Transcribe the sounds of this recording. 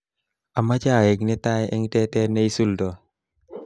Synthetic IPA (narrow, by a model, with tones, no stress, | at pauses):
a˨ma˦t͡ʃa˦˨ɛ˨ɡnɛ˦t̪a˦ʔɛ̰˦ŋtɛ˦tɛ˦ne˦i˦su˦ldɔ˨